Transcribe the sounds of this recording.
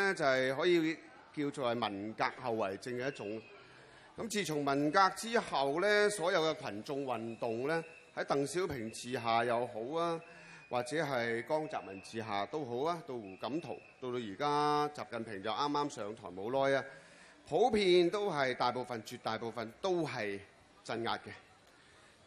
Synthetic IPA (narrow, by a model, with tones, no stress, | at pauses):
ɛ˥t͡sɐ˨jɦɔː˨˥jiː˨˧ | kiː˧wt͡so˨˧hɐ˨jmɐ˨˩nkaː˧k̚hɐ˨wːɐ˨˩jt͡sɪ˧ŋkɛː˧jɐ˥t̚t͡sʊ˨˥ŋ | kɐ˨˥mt͡siː˨˧t͡sʰʊ˨˩ŋmɐ˨˩nkaː˧k̚t͡siː˥hɐ˨wlɛː˥sɔː˨˥jɐ˨˧wkɛ˧kʷʰɐ˨˩nt͡sʊ˧ŋwɐ˨˩nt̪ʊ˨ŋlɛː˥ | hɐ˨˥jt̪ɐ˨ŋsiː˨˥wpʰɪ˨˩ŋt͡siː˨ɦaː˨jɐ˨˧who˨˥waː˥ | wʔaː˨k̚t͡sɛː˨˥ɦɐ˨jkɔː˥ŋt͡sa̰ː˨˩p̚mɐ˨˩nt͡siː˨ɦaː˨t̪o˥wɦo˨˥waː˥t̪o˧wwuː˨˩kɐ˨˥mt̪ʰo̰˨˩wt̪o˧wt̪o˧wjiː˨˩kaː˥t͡saː˨p̚kɐ˨npʰɪ˨˩ŋt͡sɐ˨wʔaː˥mːaː˥msœː˨˧ŋt̪ʰɔ̰ː˨˩jmo˨˥wlɔː˥jaː˧ | pʰo˨˥wpʰiː˧nt̪o˥wɦɐ˨jt̪aː˨jpo˨˧wfɐ˨nt͡ʃyː˨t̪̚aː˨jpo˨wfɐ˨nt̪o˥wɦɐ˨j | t͡sɐ˧nŋa̰ː˧t̚kɛː˧